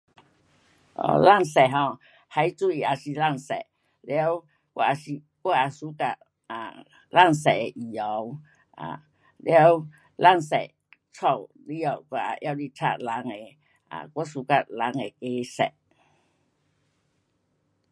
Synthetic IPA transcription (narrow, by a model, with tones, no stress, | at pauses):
ʔɔ̰˨˧˨la˥˧˨ŋsɛ˨ɦɔ̃˧ | ha˧jt͡su˦i˨a˨˩si˨la˥˧˨ŋsɛ̰˨ | le˧˦w | kʷwa̰˧˦a˧si˧˨ | kwa˦a˨˧˨su˨˦ka˧ʔ | a˨ | la˥˩˨ŋsɛ˨e˨ʔi˨˩ɔ˨˧˦w | a̰˨ | lja˦w | la˥˧˩ŋsɛ˨ | t͡sʰɔ˧˩w | li˦ɔ˧˩wkʷa˧a̰˨˧ʔja˧wli˦tʰa̰˦˧˨la˨˦ŋe˨ | a̰˨kɔ˦su˨˦ka˧t̚la˨˧˦ŋe˨ke˧˦sɛ̰˨